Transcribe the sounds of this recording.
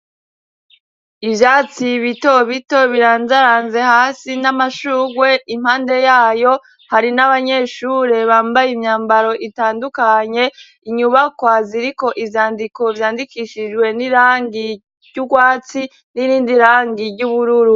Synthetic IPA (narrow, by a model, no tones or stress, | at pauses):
ivjaːt͡siβito̞βito̞βiɾaːnzaɾaːnze̞haːsinamaʃuːɡwe̞im̥haːnde̞jaːjo̞ | haɾinaβaɲe̞ʃuɾe̞βaːmbajimɲaːmbaɾo̞ʔitaːndukaɲe̞ | iɲuβakwaziɾiko̞ʔivjaːndiko̞vjaːndikiʃid͡ʒɡwe̞niɾaːŋɡi | ɟuɡwaːt͡si | niɾiːndiɾaːŋɡiɾɟuːβuɾuɾu